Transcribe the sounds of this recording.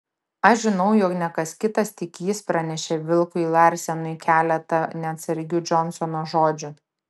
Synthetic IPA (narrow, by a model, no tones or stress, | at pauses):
ɐʃʒʲɪnɒʊjɔːknʲɛkɐskʲɪt̪ɐst̪ʲɪkʲiːspɾɐnʲɛʃʲɛʋʲɪlˠkʊilˠɐɾʲsʲɛnʊɪkʲæːlʲɛt̪ɐnʲɛɐt̪sɐɾʲɡʲʊd͡ʒɔnsɔnoːʒoːd͡ʒʲʊ